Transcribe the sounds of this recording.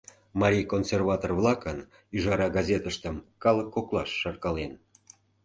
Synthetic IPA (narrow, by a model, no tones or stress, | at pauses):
mɑɾʲijkonsʲerβɑt̪orvlˠɑkən | yʒɑɾɑɡɑzʲet̪əʃt̪əmkɑlˠəkːoklɑʃːɑrkɑlen